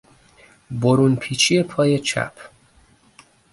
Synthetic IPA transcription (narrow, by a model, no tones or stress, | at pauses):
boɾuːnpʰiːt͡ʃʰije̞pʰɒːje̞t͡ʃʰæ̰pʰ